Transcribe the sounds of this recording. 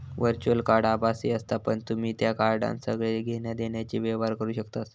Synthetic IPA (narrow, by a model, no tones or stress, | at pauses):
ʋəɾt͡ɕuəlkaɾɖabasiəst̪apəɳt̪um̤iːt̪jakaɾɖã̰nsəɡɭeɡʱeɳjad̪eɳjat͡ɕiːʋeʋaɾkəɾuːɕəkt̪as